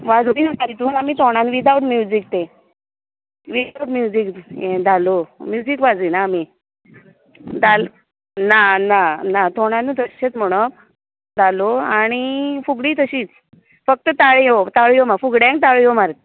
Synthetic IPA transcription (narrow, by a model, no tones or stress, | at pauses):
ʋad͡zdinəsalit̪uːnamit̪ʰoɽ̃anʋid̪awʈmjud͡ziːk̚t̪e | ʋidawʈmjud͡ziked͡zʱalomjud͡ziːkʋad͡zinaːmi | d̪al | nananat̪ʰoɽ̃anut̪əɕɕet͡sm̤əɽ̃əp̚ | d͡z̪ʱaloaɽ̃ifuɡɽiːt̪əɕiːt͡s | fək̚t̪ət̪aɭijot̪aɭijomafuɡɽjãŋk̚t̪aɭijomaɾt̪